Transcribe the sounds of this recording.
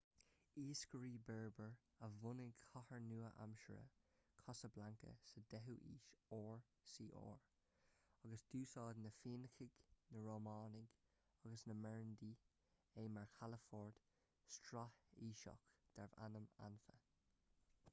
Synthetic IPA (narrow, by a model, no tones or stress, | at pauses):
iːskəɹiːbɛɹbəɹ | əvʊnɪkʰɔhəɹnuːəʔa̰mʃə̰ɹə̰kʰɔsəblaŋkə̰səd̪ɛɦuʔḭːʃɔːɹ | siːʔo̰ːɹ | ɑɡəsd̪̥uːsɑːd̪nəfiːnəxɪɡnəɹoːmɑːnɪɡ | ɑɡəsnəmɛɹənd̪iː | eːmaɹkʰaləfɔːɹd̥ | stɹahiːʃɔ̰kd̪̥ɛɹva̰nəma̰nfə̰